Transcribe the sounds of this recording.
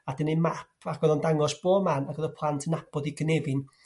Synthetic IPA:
adɪnɨmapʰakɡ̥ɔðɔndaŋɔsb̥oːmanakɡ̥ɔðɔpʰlˠantʰənabɔðiɡənevɨn

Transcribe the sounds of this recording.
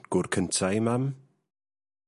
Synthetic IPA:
ɡ̥ʊrkʰəntʰajmam

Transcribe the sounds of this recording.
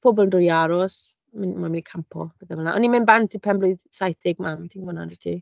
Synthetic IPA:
pʰobɔlˠndʊjaɾɔs | mɪnmamɪnikʰampʰɔ̰b̥ɛθɛɛlnaʔɔnimɪnbantʰipʰɛmbloɨðsajθɪɡmamtʰiŋvɔna̰ndɪtʰi

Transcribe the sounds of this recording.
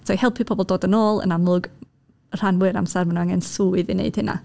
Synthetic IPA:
tʰɔjhɛlˠpʰipʰɔbɔlˠdoːdənoːlˠə̰namlˠʊɡ | r̥anwʊɾa̰msɛrmanaaŋɛnsuːɨðɪnḛɨd̥hɪna̰

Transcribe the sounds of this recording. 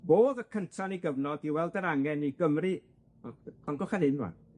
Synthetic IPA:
boːðəkʰəntʰaniɡəvnɔdiwɛlˠdəɾaŋɛniɡ̥əmrɨ | kʰɔnɡɔχanhɪnwa̰

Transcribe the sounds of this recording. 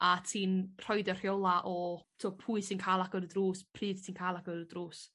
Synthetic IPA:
atʰiːnr̥ɔjdər̥jolˠaʔɔtʰuːpʰuːɨsɪnkʰaːlˠakəɾdruːspʰriːðtʰiːnkʰaːlˠakəɾdruːs

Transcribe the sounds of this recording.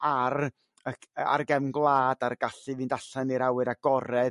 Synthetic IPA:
ar | əa̰rɡɛvnɡlˠaːdarɡ̥aɬɨviːndaɬaniɾawɨɾaɡ̥ɔɾɛð

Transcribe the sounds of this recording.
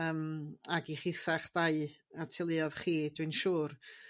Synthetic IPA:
əːmaɡiχɪsaχd̥aɨatʰɪlˠiɔðχiːdwɨnʃuːr

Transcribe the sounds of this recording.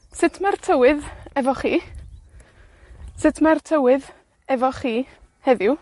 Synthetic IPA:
sɪtʰmartʰəwɨðɛvɔχiː | sɪtʰmartʰəwɪð | ɛvɔχiː | hɛðɪw

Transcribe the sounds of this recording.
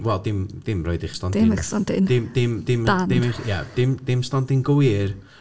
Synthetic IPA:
wɛlˠdɪmd̥ɪmrɔ̰ɨdɪχstɔndɪmɪstɔndɪ̰nd̥ɪmd̥ɪmd̥ɪmdandɪmχjad̥ɪmdɪmstɔntɪnɡəwɪr

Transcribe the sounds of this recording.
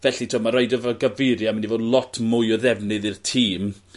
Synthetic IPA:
vɛɬitʰɔmaɾajdɔvaɡavɪɾjamɛnivoːdlˠɔtʰmʊjɔðɛvnɨðirtʰiːm

